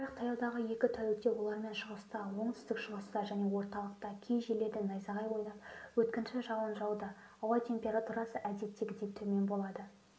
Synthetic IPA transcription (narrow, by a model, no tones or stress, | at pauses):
bɾɑq̚t̪ʰɑjɑwd̪ɑʁəje̞kʲɪt̪ʰœwek̚t̪ːe̞wo̞lˠɑɾme̞nʃəʁəst̪ɑwo̞ɴt̪ʰʏst̪ɪkʃəʁəst̪ɑʒæne̞wo̞ɾt̪ɑlˠəq̚t̪ɑkʲʰejʒele̞ɾd̪ɪnɑjzɑʁɑjbojnɑwɵt̪kʲɪnʃɪʒɑwənʒɑwd̪əː | wɑjt̪ʰe̞mpʲe̞ɾat̪uɾɑsəʔæd̪e̞t̪ːeɡʲɪd̪ep̚t̪ʰɵme̞nbo̞lˠɑd̪ə